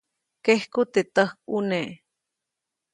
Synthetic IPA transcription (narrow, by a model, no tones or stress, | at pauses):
kehkut̪et̪əhk̚uneʔ